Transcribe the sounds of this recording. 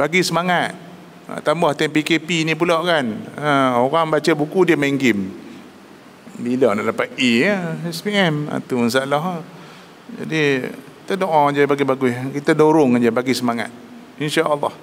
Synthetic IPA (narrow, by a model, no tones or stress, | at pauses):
baɡisəmaŋat̪̚ | t̪ambɔht̪ɛmpikepinĩp̬ulawʔkanəoɣaŋbat͡ʃəbukudiəmeŋɡɪm | bilɔlalapat̪̚eəɛspiɛma̰t̪uns̬alɔɦ | d͡ʒa̰diki̥t̪ədoʔɔd͡ʒəbaɡibaɡuihkit̪adoɾʊŋad͡ʒəbaɡisəmaŋa̰t̪̚ | inʃaʔəlːɑ̰h